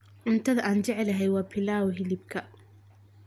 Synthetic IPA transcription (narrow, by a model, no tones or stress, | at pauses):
ʕʊnt̪ʰɐðɐʔaːnt͡ʃɛʕɛlɐɦɛjwɑːbʰɪlaːwɔɦɪlɪbkʰɐ